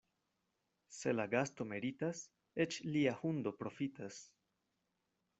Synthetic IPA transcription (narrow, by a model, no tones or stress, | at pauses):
se̞laɡasto̞meɾitas | et͡ʃliahundo̞pɾo̞fitas